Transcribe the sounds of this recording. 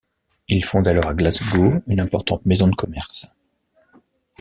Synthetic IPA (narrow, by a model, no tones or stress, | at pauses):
ilfɔ̃d̪alɔʁaɡlazɡoynɛ̃pɔʁt̪ɑ̃t̪mezɔ̃d̪əkʰɔmɛʁs